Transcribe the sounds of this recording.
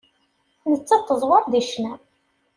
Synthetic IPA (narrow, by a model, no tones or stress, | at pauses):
nət͡sːɑt̪ˤːəzˤwəɾˤd̪iʃnæ